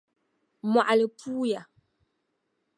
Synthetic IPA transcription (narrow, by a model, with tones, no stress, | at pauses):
mwa˨ʔa˨lə˨pʰuː˦ja˨